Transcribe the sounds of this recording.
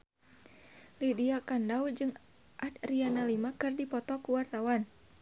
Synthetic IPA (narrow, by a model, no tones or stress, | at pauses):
lidiakandawd͡ʒɨŋ | ʔat̪̚rianalimakɨrdipɔt̪ɔkuwart̪awan